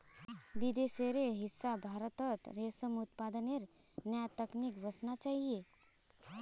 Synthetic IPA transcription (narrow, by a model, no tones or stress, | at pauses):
ʋid̪eseɾeɦisːabʱaɾət̪ət̪ɾesəmut̪̚pad̪əneɾ | njəjat̪əknikʋəsnat͡ʃaɦie